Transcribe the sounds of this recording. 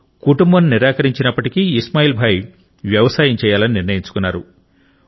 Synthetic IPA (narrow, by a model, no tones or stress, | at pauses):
kuʈumbɐnniɾaːkɐɾiɲt͡ʃinɐpːɐʈikiːsmaːjiːlbʱaːj | ʋjɐʋɐsaːjɐmt͡ʃɛːjaːlɐniniɾnɐjiɲt͡ʃu̥kunːaːɾu